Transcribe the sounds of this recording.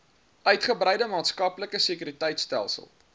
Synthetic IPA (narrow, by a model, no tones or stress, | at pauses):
ʔœɥtχəbrəjdəmɑːtskɐpləkəsikyɾitəjtstæ̰lˠsə̰lˠ